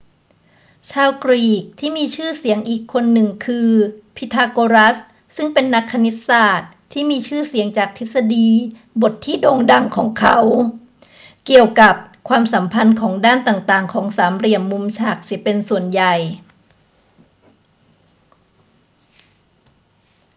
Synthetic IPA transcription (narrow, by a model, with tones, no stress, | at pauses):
t͡ɕʰaː˧wkɾiː˨˩k̚t̪ʰiː˥˩miː˧t͡ɕʰɯː˥˩si˨˩˦əŋʔiː˨˩kʰːo˧nːɯ˨˩ŋkʰɯː˧pʰi˦˥t̪ʰːaː˧koː˧ɾa˦˥s | sɯ˥˩ŋpe˧nːa˦˥kʰːa˧ni˦˥t̪̚saː˨˩t̪̚ʰːiː˥˩miː˧t͡ɕʰɯː˥˩si˨˩˦əŋt͡ɕaː˨˩k̚t̪ʰe˦˥t̪̚sa˧diː˧ | bo˨˩t̪ʰːiː˥˩doː˧ŋda˨˩ŋkʰɔː˩˦ŋkʰa̰˩˦w | ki˨˩əwka˨˩p̚kʰwaː˧msa˩˦mpʰa˧nkʰɔː˩˦ŋdaː˥˩nt̪aː˨˩ŋt̪aː˨˩ŋkʰɔː˩˦ŋsaː˩˦mɾi˨˩əmːu˧mt͡ɕʰaː˧˩k̚si˩˦əpe˧nsu˨˩ənja˨˩j